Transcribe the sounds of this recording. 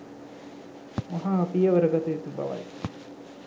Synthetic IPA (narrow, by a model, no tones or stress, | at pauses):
ɐɦaːpijɐʋɐɾəɡɐt̪ujit̪ubɐ̰ʋɐ̰j